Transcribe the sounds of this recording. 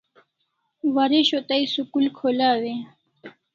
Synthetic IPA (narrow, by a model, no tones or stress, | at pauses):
waɾeɕot̪ajsukulkʰolawe